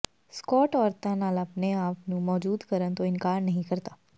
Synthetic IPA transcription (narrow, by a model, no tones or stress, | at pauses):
skɔːʈɔːɾt̪ãnaːlɐpneaːpnũmɔːd͡ʒuːd̪kəɾənt̪oɪnkaːɾnɐɦĩkɐɾt̪aː